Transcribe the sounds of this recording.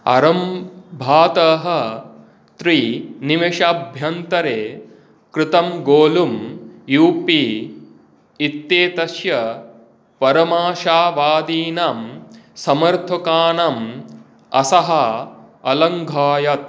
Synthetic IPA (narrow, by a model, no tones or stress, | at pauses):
ɐ̰ɾɐmbʱaːt̪ɐɦɐ | t̪ɾiniʋɐʃaːbʱjɐnt̪ɐɾeː | kɾɪt̪ɐmɡoːlumjuːpiː | it̪ːeːt̪ɐʃjɐ | pɐɾɐmaːʃaːʋaːd̪iːnamsɐmɐɾt̪ʰukaːnɐm | ɐ̰sɐɦɐ | ɐlɐŋɡʱaːjɐt̪̚